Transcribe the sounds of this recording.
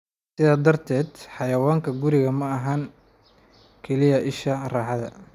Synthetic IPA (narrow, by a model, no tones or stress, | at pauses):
sɪðaːd̪ɐrt̪ʰɛːd̪ħɑjɐwaːŋkʰɐɡʊɾɪɣɐmɐɐɦɐŋ | kʰɛlɪjɐʔɪʃɐrɑːħɑðɐ̰